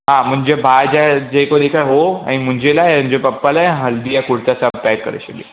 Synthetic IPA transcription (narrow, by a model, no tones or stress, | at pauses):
ɦãm̤əɳd͡ʑebʱad͡ʑad͡ʑekoɽikajɦoa̰ɽ̃im̤əɳd͡ʑelaɦe̤əɳd͡ʑepəpːalajãɦəld̪ijakuɽ̤t͡sasapɛkːə̰ɾa̰ɕeɡḭ